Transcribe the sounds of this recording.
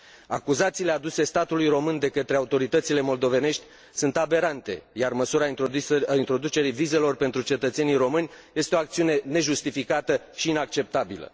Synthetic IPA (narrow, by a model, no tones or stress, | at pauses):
a̰kuzat̪sile̞ad̪use̞st̪at̪ulujro̞mɨnd̪e̞kət̪ɾeaut̪o̞ɾit̪ət̪sile̞mo̞ld̪o̞ve̞ne̞ʃt̪ʲ | sunt̪abe̞ɾant̪e̞jarməsuɾaint̪ɾo̞d̪ut͡ʃe̞ɾijvize̞lo̞rpe̞nt̪ɾut͡ʃe̞t̪ət̪senijɾo̞mɨnʲje̞st̪eo̞ak̚t̪siune̞ne̞ʒust̪ifikat̪ə | ʃiinak̚t͡ʃe̞p̚t̪abilə̰